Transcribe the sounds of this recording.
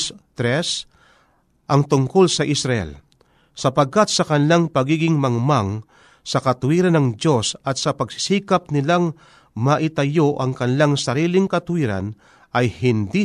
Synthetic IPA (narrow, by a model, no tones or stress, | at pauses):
t̪ɾɛs | ʔɐŋt̪ʊŋkolsɐʔɪsɾɐʔɛ̰l | sɐpɐɡ̚kat̪̚sɐkɐnɪlaŋpɐɡiːɡɪŋmɐŋmaŋ | sɐkɐt̪ʊwiːɾanɐŋd̪o̞sɐt̪̚sɐpɐɡsɪ̥siːkɐp̚nɪlaŋ | mɐʔɪt̪ɐjoʔɐŋkɐnɪlaŋsɐɾiːlɪŋkɐt̪ʊwiːɾa̰n | ʔɐjhɪnd̪i